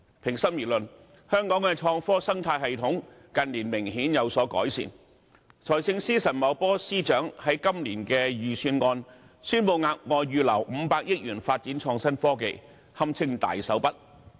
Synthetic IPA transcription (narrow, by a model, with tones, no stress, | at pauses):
pʰɪ˨˩ŋsɐ˥njiː˨˩lɵ˨n | hœː˥ŋkɔː˨˥ŋkɛː˧t͡ʃʰɔː˧ŋfɔː˥sɐ˥ŋt̪ʰaː˧jɦɐ˨jt̪ʰʊ˨˥ŋ | kɐ˨nliː˨˩nmɪ˨˩ŋɦiː˨˥njɐ˨˧wsɔː˨˥kɔ̰ː˨˥jsḭː˨˩n | t͡sʰɔː˨˩jsɪ˧ŋsiː˥sɐ˨˩nmɐ˨wpɔː˥siː˥t͡ʃœː˨˥ŋhɐ˨˥jkɐ˥mliː˨˩nkɛː˧jyː˨syː˧nŋɔː˧n | syː˥npo˨˧wŋaː˧k̚ŋɔː˨˧ɥyː˨˧lɐ˨˩wm̩˨˧paː˧k̚jɪ˥k̚jyː˨˩nfaː˧t̚t͡siː˨˥nt͡ʃʰɔː˧ŋsɐ˥nfɔː˥kḛ˨˧j | hɐ˥mt͡sʰɪ˥ŋt̪a̰ː˨jsɐ˨˥wpɐ˥t̚